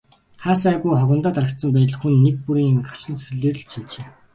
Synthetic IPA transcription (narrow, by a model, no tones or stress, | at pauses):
χaːsæɣujχɔɣə̆nt̪aːt̪aɾə̆k̚t̪sə̆mpæ̆ːɮ̆xunːek̚puɾiːŋɢḁt͡ɕɪ̆nt͡sʰɵɮeːr̆ɮt͡ɕʰimt͡ɕeː